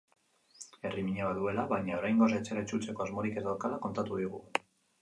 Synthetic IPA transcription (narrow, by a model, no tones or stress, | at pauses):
e̞rimiɲaβaðue̞laβajɲao̞ɾajŋɡosaet͡ʃe̞ɾait͡ʃult͡se̞ko̞azmoɾike̞t̪aokalako̞nt̪at̪uðiɣ̞ṵ